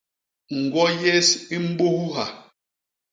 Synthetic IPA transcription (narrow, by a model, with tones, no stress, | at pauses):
ŋ̩˨ɡwɔ˦je˦si˦m̩˦ɓo˦hu˦ɦa˨